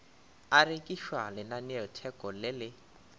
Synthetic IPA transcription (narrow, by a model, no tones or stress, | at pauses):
arekʼiʃwalɪnanɪɔtʰɛkʼɔlɪlɪ